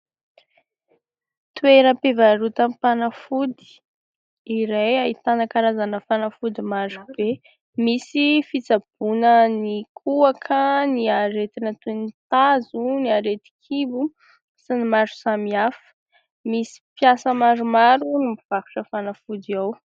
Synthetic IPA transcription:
t̪ueɾəpevaɾut̪ampanafud̪i̥ː | ɾejait̪anakaɾazanəfanafud̪imaɾub̥e | misifit͡sab̥unənikʰuakʰəniaɾet̪inat̪unit̪azuniaɾet̪i̥kʰibu | sinimaɾu̥samiafə̥ | misi̥pjasəmaɾumaɾunimiv̥aku̥ʈ͡ʂəfanafud̪iaw

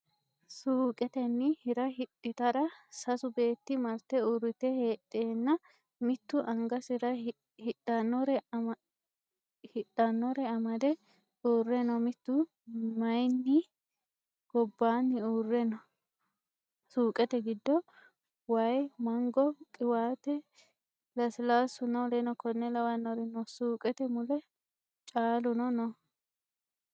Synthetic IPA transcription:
suːkʼɛt̪ɛnːɪhɪɾɐhɪtːɪt̪ɐɾɐsɐsʊbe̞ːt̪ːɪmɐɾt̪ːɛuɾːɪt̪ɛheːtʼːeːnːɐ | mɪt̪ːʊʔɐŋɡɐsɪɾɐ | hɪɗɐnːɔɾɛ | hɪᶑɐnːɔɾɛɐmɐd̪ɛ | uːrɛnɔmɪt̪ːʊ | mɐjnːɪ | ɡ̥ɔbːaːnːɪuːrːɛnɔ | suːkʼɛt̪ɛɡɪd̪ːɔ | wɐjmɐŋɡɔkʼɪwaːt̪ɛ | lɐsɪlaːsʊnɐwlenɔkɔnːɛlɐwɐnːɔɾɛnɔsuːkʼɛt̪ɛmʊlɛ | t͡ʃʼaːlʊnɔnɔ

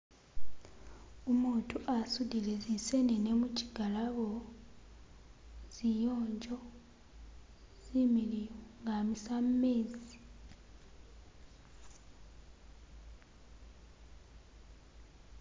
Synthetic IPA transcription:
umuːntʰuʔasudilezisenenemuciɡalaβo | z̥ijo̞ːɲd͡ʒo | z̥imiliŋɡamisammeːzi

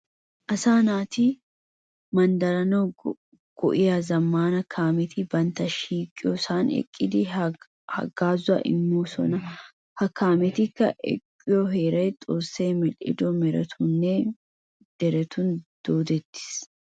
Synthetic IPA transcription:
ʔɐsaːnaːt̪ɪ | mɐnd̪ɐɾɐno | ɡ̥ɔ̰ʔɪjazɐmːaːnɐkʰaːmɛt̪ʰɪbɐnt̪ɐʃiːkʼːɪjɔsaːnɛ̰kʼːɪd̪ɪ | hɐ̰ɡaːzʊɐ̰ʔɪ̰mːuːsɔ̰nɐ | hɐkːaːmɛt̪ɪkːɐ̰ʔɛ̰kʼːɪjɔɦe̞ːɾɐjt̪ʼoːsːeːmɛlɪ̰d̪ɔmɛɾɛ̰t̪ʰʊnːɛ | d̪̥ɛɾɛt̪ʊnd̪̥oːd̪ɛt̪ːɪ̥s

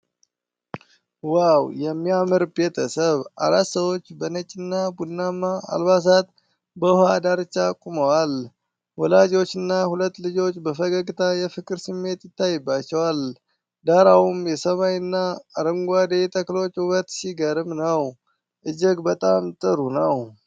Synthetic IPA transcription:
wawjɛmːiamɨɾbet̪ʰəsəβa̰ɾat̪səwo̞t͡ʃːbənət͡ʃʼɪnːabulnamaa̰lbas̬at̪ | bəhad̪aɾɨt͡ʃːakʼuməwal | wɔlad͡ʒo̞t͡ʃːɨnːahulət̪ːlɨd͡ʒo̞t͡ʃːbəfəɡəɡʼt̪ʰajɛfɨkʼɨɾsɨmːe̞t̪jɪt̪ːajɨbːat͡ʃːɛwal | d̪aɾawumjɛsəmajɨnːaːɾɨŋɡʷad̪et̪ʼʰəklo̞t͡ʃːuβət̪siɡəɾɨmnəw | ʔɨd͡ʒɛɡbət̪ʼamt̪ʼɨɾunəw

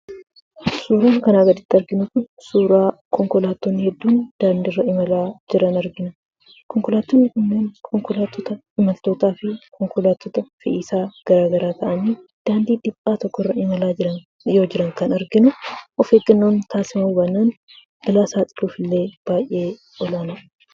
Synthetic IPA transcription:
suːɾaːnkɐnaːɡɐd̪ɪt̪ːɐɾɡɪnʊkʊn | suːɾaː | kɔŋkɔlaːt̪ːɔnːɪhɛd̪ːuːnd̪̥aːnd̪ɪrːɐɪmɐlaːd͡ʒɪɾɐnɐɾɡɪnɐ | kɔŋkɔlaːt̪ːonːɪkʊnːeːnkʰɔŋkɔlaːt̪ːɔt̪ɐ | ɪmɐlt̪oːt̪aːfɪkʰɔŋkɔlaːt̪ːɔt̪ɐfɪ̰ʔiːsaːɡ̥ɐɾaːɡɐɾaːt̪ʰɐʔɐniːd̪̥aːnd̪iːᶑɪpʼːaːt̪ɔkːɔɪrːɐɪmɐlaːd͡ʒɪɾɐn | jo̞ːd͡ʒɪɾɐŋkɐnɐɾɡɪnʊʔɔfeːɡɐnːoːnt̪aːsɪmɐmuːbɐnaːn | b̥ɪlaːsaːt̪ʼɪ̥luːfɪlːe̞ːb̥aːjʔe̞ː | ɔlaːnaː

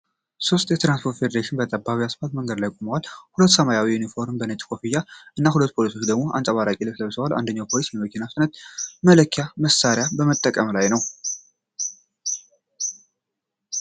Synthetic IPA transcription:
so̞st̪ʼjɛt̪ɾanspʰo̞ɾt̪fed̪əɾeʃɪnbət̪ʼəbaβiasfat̪məŋɡəd̪lajkʷʼuməwalːhulət̪ːsəmajawijunifo̞ɾmbənet̪ʼkʰo̞fijaʔɨnːahulət̪ːpʰo̞liso̞t͡ʃːd̪əɡmo̞ʔa̰nsʼəβaɾakʼilɨkləβsəwala̰nd̪əɲːawpʰo̞lisjɛməkʰinasnət̪mələkʰːjaməsaɾjabəmət̪ʼːəkʼəmlajnəw

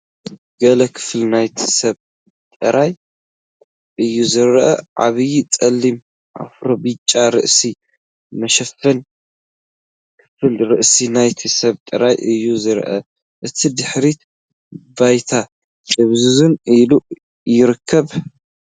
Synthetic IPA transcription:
ɡ̥ɐlɐkʰɨ̥fɨlnajt̪ʰi̥sɐβ | t̪ʼɨɾʔaj | ʔɨjːuzɨɾʔɐ̰ʕa̰βɨjit͡sʼɐlːim | ʔa̰fɾobɨt͡ʃʼːaɾɨ̰ʔsi | mɐʃɐfːɐn | kʰɨ̥fɨlɾɨʔsinajt̪ʰisɐβt̪ʼɨɾajʔɨjːuzɨɾʔɐ̰ | ʔɨt̪ʰid̪ɨħɾit̪ | bajt̪ʰa | dɨβzɨzɨnilu | jɪɾɨkʰːɐβ

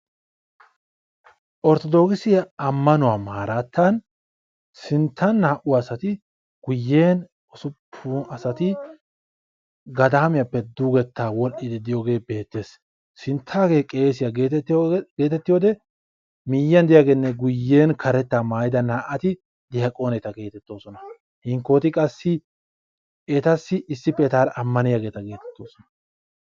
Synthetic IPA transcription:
ʔɔɾt̪ɔd̪o̞ːkɪsɪjɐɐmːɐnʊwaːmaːɾat̪ːɐn | sɪnt̪ʰːɐnːaːʔʊwasɐt̪ɪ | ɡ̥ʊjːeːn | ɔsʊpʰːuɐsɐt̪ɪ | ɡɐd̪aːmɪjɐpːɛd̪uɡɛt̪ːaːwɔlʔɪd̪ɪd̪ɪjoːɡe̞ːbe̞ːt̪ːe̞ːs | sɪnt̪ʰːaːɡe̞ːkʼeːsɪjɐɡet̪ːɡe̞ːt̪ɛt̪ːɪjoːd̪ɛ | mɪjːɐnd̪ɪjaɡenːɛɡʊjːe̞ːnkʰɐɾɛt̪ːaːmaːjɪd̪ɐnaːʔɐt̪ɪ | d̪ɪjɐkʼo̞ːnɛt̪ɐɡe̞ːt̪ɛt̪ːo̞ːsɔnɐ | hɪŋkoːt̪ɪkʼɐsːɪ | ɛt̪ɐsːɪːsːɪpːɛɛt̪aːɾɐmːɐnɪjaɡe̞ːt̪ɐɡe̞ːt̪ɛ̥t̪ːo̞ːsɔnɐ̥

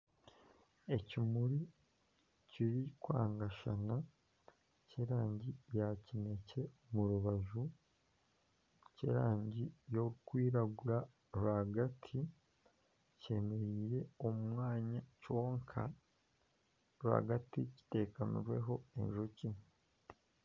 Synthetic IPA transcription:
e̞cimuɾi | ciɾikwaːŋɡaʃana | ceɾaːɲɟijacine̞ce̞muɾuβaʒu | ce̞̰ːɾaːɲɟijokwiːɾaɡuɾa | ɾwaɡatʰi | ce̞me̞ɾije̞omumŋwaːɲaco̞ːŋkʰa̰ | ɾwa̰ɡatici̥te̞ːkanṵɾwe̞ɦo̞ḛnʒoci

